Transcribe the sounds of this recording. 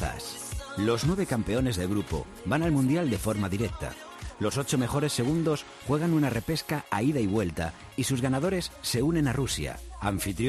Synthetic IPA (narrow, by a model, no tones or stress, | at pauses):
s | lo̞znwe̞β̞e̞kampe̞o̞ne̞zðelɣɾupo̞̰ | banalmũnd̪jald̪e̞fo̞ɾmaðiɾe̞k̚t̪a̰ | lo̞so̞t͡ʃo̞me̞xo̞ɾe̞sːe̞ɣ̞und̪o̞s | xwe̞ɣ̞anunare̞pe̞skaaiðaiβwe̞lt̪a̰ | isuzɣanað̞o̞ɾe̞sːe̞unẽ̞narusja̰aɱfit̪ɾ